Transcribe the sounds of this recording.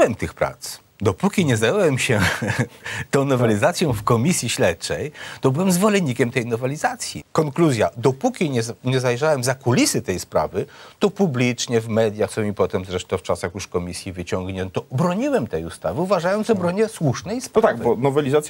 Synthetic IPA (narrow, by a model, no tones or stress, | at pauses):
wɛmt̪ɘxpɾa̰t̪s | d̪ɔpukʲiɲɛzajɛwɛmɕɛ | t̪ɔ̃w̃nɔvɛlʲizat̪sʲjɔ̃w̃fkɔmʲisʲjiɕlɛtt͡ʂɛjt̪ɔbɘwɛmzvɔlɛɲːikʲɛmt̪ɛjnɔvɛlʲizat̪sʲjḭkɔŋkluzʲjad̪ɔpukʲiɲɛɲɛzajʐawɛmzakulʲisɘt̪ɛjspɾa̰vɘt̪ɔpublʲit͡ʂɲɛvmɛd̪ʲjaxsɔ̃w̃ipɔt̪ɛmzɾɛʂt̪ɔ̃ft͡ʂasaxjuʂkɔmʲisʲjivɘt͡ɕɔŋɡɲɛnt̪ɔbɾɔɲiwɛmt̪ɛjust̪avɘuvaʐajɔnzɔbɾɔɲɛswuʂnɛjspt̪aɡbɔnɔvɛlʲizat̪sʲ